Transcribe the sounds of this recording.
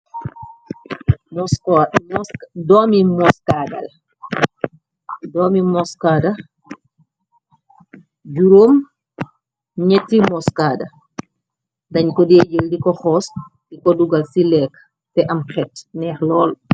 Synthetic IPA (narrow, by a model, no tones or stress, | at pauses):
dɔːmimɔskadɐ̰l | dɔːmimɔskaːda | ɟuɾoːm | ɲɛtːimɔskaːda | dɐɲkɔdeɟeldikɔxɔːs | dikɔduɡalsilɛːk | tɛʔɐmxɛtnɛːxlɔːl